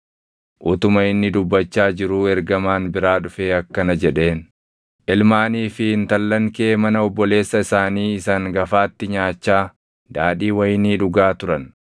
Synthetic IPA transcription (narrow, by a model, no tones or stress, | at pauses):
ʔʊt̪ʊmɐɪnːɪd̪ʊbːɐt͡ʃːaːd͡ʒɪɾuːɛɾɡɐmaːnbɪɾaːᶑʊfe̞ːɐkːɐnɐd͡ʒɛᶑe̞ːn | ʔɪlmaːniːfɪɪnt̪ɐlːɐŋke̞ːmɐnɐɔbːɔle̞ːsːɐɪsaːniːɪsaŋɡɐfaːt̪ːɪɲaːt͡ʃːaː | d̪aːᶑiːwɐjɪniːᶑʊɡaːt̪ʊɾɐn